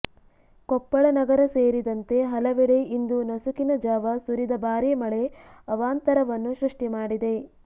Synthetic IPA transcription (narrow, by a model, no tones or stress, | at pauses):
kɔpːɐɭɐnɐɡɐɾɐseːɾid̪ɐnt̪e̞ɦɐlɐʋeɽe̞ind̪unɐsukinɐd͡ʒaːʋɐsuɾid̪ɐbaːɾimɐɭe̞ɐʋaːnt̪ɐɾɐʋɐnːuʃɾuʂʈimaːɽid̪e̞